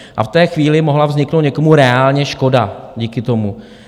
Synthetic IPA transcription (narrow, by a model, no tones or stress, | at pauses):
ʔa̰ft̪ɛːxviːlɪmo̞ɦlavzɲɪknowt̪ɲɛko̞muɾɛaːlɲɛʃko̞daɟiːkɪt̪o̞mu